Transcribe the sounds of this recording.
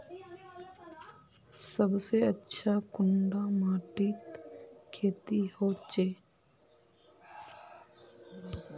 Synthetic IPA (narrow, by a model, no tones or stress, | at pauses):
səbseətːʃʰakʊɳɖamaːʈit̪kʰeːt̪ihoːt͡ʃeː